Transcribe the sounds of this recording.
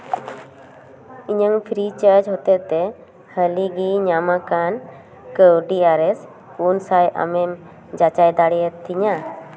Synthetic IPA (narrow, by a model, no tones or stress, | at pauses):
iɲəŋpʰɾit͡ʃaɾd͡ʒɦɔt̪ɛt̪ɛ | həliɡiɲamakan | kəwɖiaɾɛs | kunsajʔa̰mɛm | d͡ʒat͡ʃajd̪aɽɛjɛt̪ʰːiɲa